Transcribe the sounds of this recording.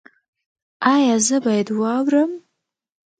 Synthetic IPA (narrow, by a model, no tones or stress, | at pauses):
ajazɨbajdwawrɨm